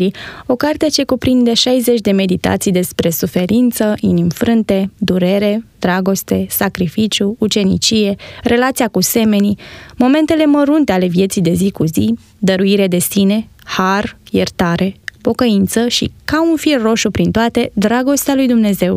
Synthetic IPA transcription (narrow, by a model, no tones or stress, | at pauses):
ɾio̞kart̪et͡ʃe̞kupɾind̪e̞ʃajze̞t͡ʃʲd̪e̞me̞d̪it̪a̰t̪sijd̪e̞spɾe̞sufe̞ɾint̪səʔinimfɾɨnt̪e̞d̪uɾe̞ɾe̞d̪̥ɾaɡo̞st̪e̞sakɾifit͡ʃjuut͡ʃe̞nḭt͡ʃije̞re̞lat̪sijakuse̞me̞nimo̞me̞nt̪e̞le̞məɾunt̪e̞ale̞vje̞t̪sijd̪e̞zikuzi | d̪əɾuiɾed̪e̞sine̞ | harjḛrt̪aɾʔe̞po̞kəint̪səʃḭkaunfilro̞ʃupɾint̪oat̪e̞d̪ɾaɡo̞st̪ealujd̪umne̞ze̞w